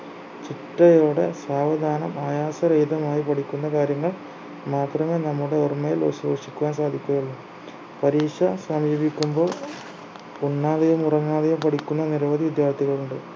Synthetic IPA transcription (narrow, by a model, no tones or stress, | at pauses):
t͡ɕiʈːrɐjo̞ːɽe̞saːʋɐd̪ʱaːnɐmaːjaːsɐɾɐjd̪ɐmaːjipɐʈikʲːunːɐkaːɾjɐŋːɐɭ | maːt̪rɐme̞ːnɐmːuɽe̞ormːɐjilo̰sʋoːʂi̥kʲːuʋaːnsaːd̪ʱikʲːuɐjɐɭːu | pɐɾiːʂɐsɐmjibikʲːumbo̞ːɭ | puɳːaːðɐjɐmurɐŋːaːðɐjɐmpɐʈikʲːunːɐniɾɐʋɐd̪iʋid̪jaːrt̪ʰːiɣɐɭuɳɖɨ